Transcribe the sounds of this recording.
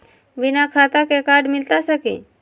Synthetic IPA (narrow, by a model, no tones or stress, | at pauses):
bɪnakʰaːt̪akekaːɾɖmɪlt̪asəkḭ